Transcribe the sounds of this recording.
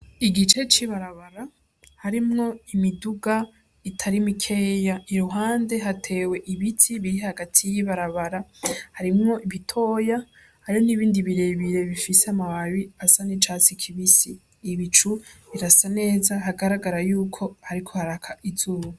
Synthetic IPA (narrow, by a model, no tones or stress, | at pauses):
iɡit͡ʃe̞t͡ʃiβaɾaβaɾa | haɾimŋo̞imiduɡa | itʰaɾimikʰe̞ːjaiɾuɦaːnde̞ɦatʰe̞ːwe̞ʔiβitʰiβiɾihaɡatʰijiβaɾaβaɾahaɾimŋo̞ʔiβitʰo̞ːja | haɾioniβiːndiβiɾe̞βiɾe̞βifiseamahaβiasanit͡ʃat͡sikʰiβisiː | βit͡ʃuβiɾasane̞ːzaɦaɡaɾaɡaɾajuːkʰo̞haɾikʰo̞haɾakʰaʔizuːβu